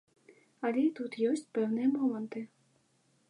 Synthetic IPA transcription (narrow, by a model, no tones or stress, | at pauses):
ɐlʲɛit̪ut̪jɔsʲt͡sʲpɛwnɨjɐmɔmɐnt̪ɨ